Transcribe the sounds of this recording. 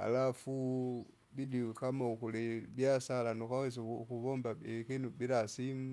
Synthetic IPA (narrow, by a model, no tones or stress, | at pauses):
a̰lafu | bidikamakulibjasalanokaweskuβombaekinubiɾasimu